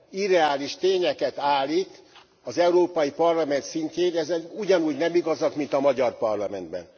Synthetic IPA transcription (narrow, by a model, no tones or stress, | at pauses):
id̪ɛaːliʃt̪eːɲɛkɛt̪aːlik̪ | ɒzɛuɾoːpɒjipɒrlɒmɛnt̪sinɲceːnɛzɛnuɟɒnuːɟnɛmiɡɒzɒkmint̪ɒmɒɟɒrpɒrlɒmɛnd̪bɛ̰n